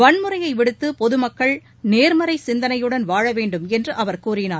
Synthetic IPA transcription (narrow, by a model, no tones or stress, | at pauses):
ʋɐɳmɯrɐjɐɪʋɪɽɯt̪ːɯpɔðɯmɐkːɐɭ | neːɾmɐɾɐɪsɪnd̪ɐnɐjɯɽɐnʋaːɻɐʋeːɳɖɯmɛndrɯʔɐʋɐɾkuːrɪnaːɾ